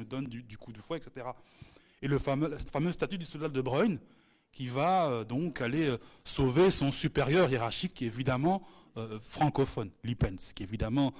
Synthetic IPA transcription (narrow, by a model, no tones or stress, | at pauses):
əd̪ɔnd̪yd̪ykud̪əfwɛɛkset̪eʁa | eləfamølasɛt̪famøzst̪at̪yd̪ysɔld̪ad̪əbʁɔn | kʲivaød̪ɔ̃kaleøsovesɔ̃sypeʁjœʁjeʁaʁʃikʰʲːɛevid̪amɑ̃øfχɑ̃kɔfɔnlipɛnskʲievid̪amɑ̃